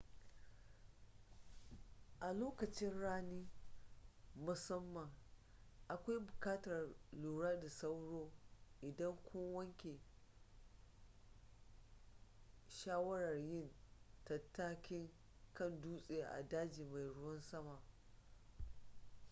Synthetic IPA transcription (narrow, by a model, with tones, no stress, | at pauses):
ʔa˨loː˦kɐ˨t͡ʃɪ˦nɽaː˦niː˦ | mʊ˨sɐ˦mːɐ˨ŋ | ʔa˨kʷa˦jbʊ˨kaː˦tɐ˨rluː˨ɽaː˦da˨sa˦wɽoː˦ʔɪ˨dɐ˦ŋkʷoː˦wɐ˦ŋkʲe˨ | ʃaː˦wɐ˦ɽɐ˨rjɪ˦˨ntɐ˨tːaː˦kʲɪ˦ŋ | kɐ˦˨nduː˦sʼe˨ja˨ʔa̰˨daː˦d͡ʒiː˨ma˨jɽʊ˦wɐ˦nsɐ˦ma˨